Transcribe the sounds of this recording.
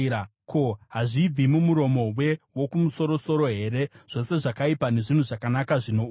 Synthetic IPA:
a | ko̞ɦaʐiːd͡zimumuɾo̞mo̞we̞wo̞kumuso̞ɾo̞so̞ɾo̞ɦe̞ɾe̞ʐ̥o̞se̞ʐakaipane̞ʐin̤uʐakanakaʐino

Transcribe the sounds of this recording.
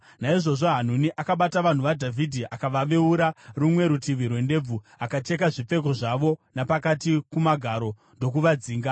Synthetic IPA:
naiʐo̞ʐo̞ɦan̤uniʔakaɓataʋan̤uʋadʱavʱidʱiʔakaʋaʋe̞uɾarumwe̞ɾutiʋirwe̞nde̞b͡vu | akat͡ʃe̞k̬aʐip͡fe̞k̬o̞ʐaʋo̞napakatikumaɡʱaɾo̞ | ndo̞k̬uʋad͡ziːŋɡa

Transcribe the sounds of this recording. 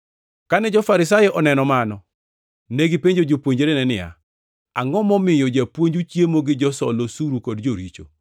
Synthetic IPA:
kanɛd͡ʒɔfaɾɪs̬ajɔʔɔnɛnɔmanɔ | neɡipeɲd͡ʒod͡ʒopwoɲd͡ʒeɾenɛnɪja̰ | aŋɔmɔmɪjɔd͡ʒapwoɲd͡ʒut͡ʃjemoɡɪd͡ʒɔsɔ̰losuɾukɔdd͡ʒoɾit͡ʃo̰

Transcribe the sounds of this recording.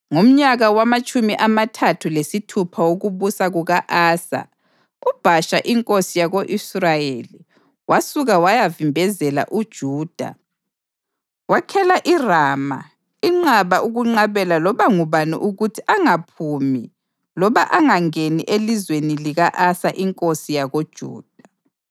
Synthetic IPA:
ŋum̩ɲaɣawamat͡ʃʼumiʔamatʰatʰulesitʰupʰawoɣuβusaɣuɣaʔaːsa̰ | ub̥ʱaʃaʔiŋkʼosijaɣoʔisrajeli | wasuɣawajavimbʱɛzɛla̰ʔud̥ʒ̥ʱuːd̥ʱa̰ | wakʰɛlaʔiraːma | iŋ͡ǁaβaʔuɣuŋ͡ǀaβɛlalɔβaŋuβanḭʔuɣutʰiʔaŋapʰumi | lɔβaʔaŋaŋeniʔelizweniliɣaʔasaʔiŋkʼosijaɣod̥ʒ̥ʱṵːd̥ʱḁ

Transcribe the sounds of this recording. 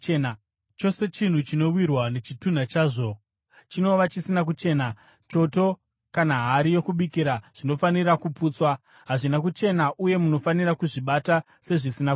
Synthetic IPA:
na | t͡ʃo̞se̞t͡ʃin̤ut͡ʃino̞wirwane̞t͡ʃitun̤at͡ʃaːʐo̞ | t͡ʃino̞ʋat͡ʃisinak̬ut͡ʃe̞ːna | t͡ʃo̞to̞ | kanaɦaɾijo̞kuɓikiɾaʐ̥ino̞fanirakupuːt͡swa | ɦaʐinak̬ut͡ʃe̞naʔuje̞muno̞fanirakuʐiɓata | se̞ʐisina

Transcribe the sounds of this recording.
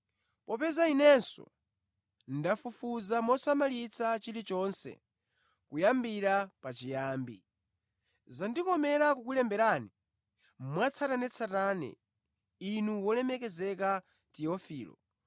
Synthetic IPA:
pɔpɛzainɛnsɔ̰ | ndafufuzamɔsamalit͡sʰat͡ʃiɾit͡ʃɔnsɛ̰ | kujambiɾapat͡ʃijaːmbi | zandikɔmɛɾakukulɛmbɛɾani | mwat͡sʰatanɛt͡sʰatanɛ̰ | inuwɔlɛmɛkɛzɛka | tiɔfiːlɔ̰

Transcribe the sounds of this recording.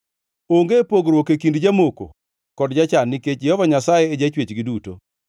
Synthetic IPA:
oŋɡepoɡɾwɔkekindd͡ʒamoko̰ | kɔdd͡ʒat͡ʃanːiket͡ʃd͡ʒehɔvaɲasajeːd͡ʒat͡ʃwet͡ʃɡɪduto̰

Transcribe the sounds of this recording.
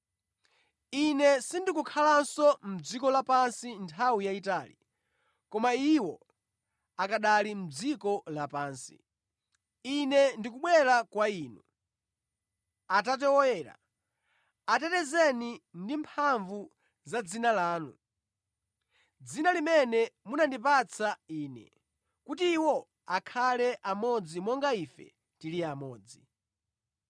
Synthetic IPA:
inɛsindikukʰalansɔm̩d͡zikɔlapansintʰawijaitaːlḭ | kɔmaiwɔ | akaɗalim̩d͡zikɔlapaːnsḭ | inɛndikuɓwɛɾakwaiːnṵ | atat̬ɛwɔjɛːɾa̰ | atɛtɛzɛnindimpʰaɱvu | zad͡zinalaːnu | d͡zinalimɛnɛmunandip̬at͡sʰaiːnɛ̰ | kutiːwɔ | akʰalɛʔamɔd͡zimɔŋɡaifɛ̰ | tiliamɔːd͡zi

